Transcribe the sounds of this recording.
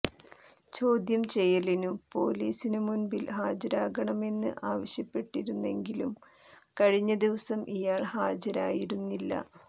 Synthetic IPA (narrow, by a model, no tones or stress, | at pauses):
t͡ɕo̞ːd̪jɐmt͡ɕe̞jːɐlinumpo̞̰ːliːsinumunbilhaːd͡ʑɐɾaːɣɐɳɐme̞nːɨ̰ʔaːʋɐɕjɐpːe̞ʈːiɾunːe̞ŋɡilum | kɐɻiɲːɐd̪iʋɐsɐmʔijaːɭhaːd͡ʑɐɾaːjiɾunːilːɐ̰